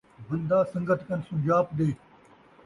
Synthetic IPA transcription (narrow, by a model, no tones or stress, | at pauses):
bɐnd̪ãːsɐ̃ŋɡət̪kɐnsʊ̃d͡ʑaːpɗ̪eː